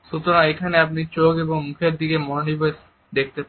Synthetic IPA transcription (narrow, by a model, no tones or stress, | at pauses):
ʃut̪oɾaekʰaneapnit͡ɕokeboŋmukʰeɾd̪ikemɔnonibes | d̪ek̚ʰt̪ep